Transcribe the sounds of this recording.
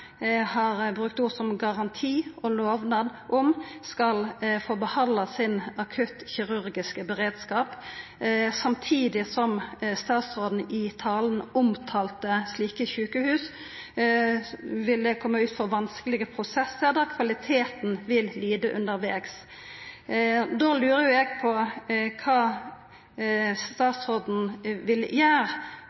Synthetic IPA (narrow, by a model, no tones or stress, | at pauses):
hɑʁbʁʉkt̪ʊʁsɔmɡɑʁɑnt̪ʰiːʔɔloːʋnɑd̪ʔɔmskɑlfɔʁbəhɑnd̪ɑsɪnɑkʰʉt̪çɪɾʉɾɡɪskəbɛʁeːd̪skɑːp | sɑmt̪ʰiːd̪ɪsɔmst̪ɑːt̪soːd̪n̩ɪt̪ʰɑːlnʊmt̪ʰɑːlt̪əsliːkəçʉːkəhʉːs | ʋɪld̪ɛkʰɔmːəʉːt̪fɔɾʋɑnskəlɪɡəpʰɾʊsɛsːəɾd̪ɑkʰʋɑlɪt̪ʰeːt̪nʋɪlliːd̪əʔʉ̰nd̪əɾʋeːks | d̪oːlʉːɾəjʊɛɡpʰɔkʰɑː | st̪ɑːt̪sɔd̪n̩ʋɪljæːʁ